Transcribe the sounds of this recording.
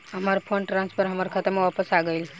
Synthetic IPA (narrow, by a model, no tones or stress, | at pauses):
ɦəmaɾpʰəɳʈɾãnspʰəɾɦəmaɾkʰət̪əɾmeʋapəsaɡəil